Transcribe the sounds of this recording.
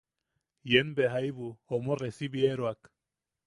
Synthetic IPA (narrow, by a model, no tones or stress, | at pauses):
jembeɦajβuomoresiβieɾoak